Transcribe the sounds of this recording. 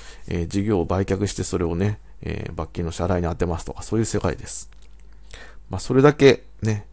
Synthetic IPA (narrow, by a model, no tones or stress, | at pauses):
ḛːd͡ʑiɡʲo̞ːbaikʲakɯ̟ɕi̥t̪e̞so̞ɾe̞o̞ne̞ | ḛːbakʲːino̞ɕaɾaiɲ̟iat̪ːemasɨ̥t̪o̞kḁso̞ːjɯ̟ːse̞kaḭd̪e̞sɨ̥ | maso̞ɾe̞d̪ake̞ | ne̞